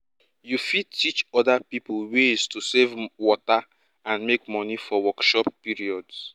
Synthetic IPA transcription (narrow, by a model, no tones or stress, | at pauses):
jufid̚tit͡ʃɔdapiplweztusevwɔta | ãnmekmɔnifɔwɔkʃɔpːiɹiɔds